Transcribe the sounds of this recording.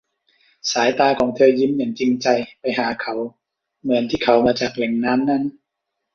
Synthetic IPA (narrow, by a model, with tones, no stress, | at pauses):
saː˩˦jt̪aː˧kʰɔː˩˦ŋt̪ʰɤː˧ji˧˥˩mjaː˨˩ŋt͡ɕi˧ŋt͡ɕa˧jpa˧jɦaː˨˩˦kʰa˨˦w | mɯ˧˩ənt̪ʰiː˧˩kʰa˨˦wmaː˧t͡ɕaː˨˩k̚lɛ˨˩ŋnaː˦˥mna˦˥˨n